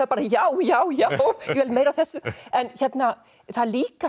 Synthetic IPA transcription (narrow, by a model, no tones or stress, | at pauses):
aðpaːɾajaːwjaːwjawvɛlmeːjɾaθɛsːʏɛnçɛt̪na | θaðliːka